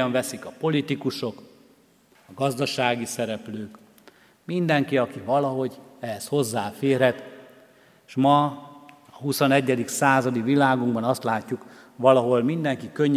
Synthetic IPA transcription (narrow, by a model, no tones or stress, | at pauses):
ɒɱvɛsikɒpo̞lit̪ikuʃo̞k | ɒɡɒzd̪ɒʃaːɡisɛɾɛpløːk | mind̪ɛŋkiɒkivɒlɒɦo̞ɟɛɛsho̞zːaːfeːrɾɛt̪ | ʃmɒ | ɒɦusonɛɟːɛd̪iksaːzɒd̪ivilaːɡuŋɡbɒnɒst̪laːcːuk | ʋɒlɒɦo̞lmind̪ɛŋkikøɲː